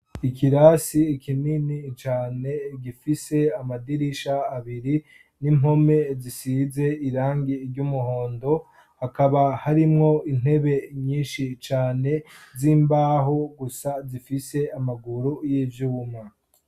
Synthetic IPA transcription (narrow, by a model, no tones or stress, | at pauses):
ikiɾasiːkininit͡ʃaːne̞ɟifise̞amadiɾiʃaːβiɾi | nimo̞me̞zisize̞iɾaːŋɡiɾɟumuɦo̞ːndo̞ | hakaβahaɾimŋo̞in̥he̞βe̞ɲiːnʃit͡ʃaːne̞ziːmbaːɦo̞ɡusazifise̞amaɡuɾujiːvjuːmŋa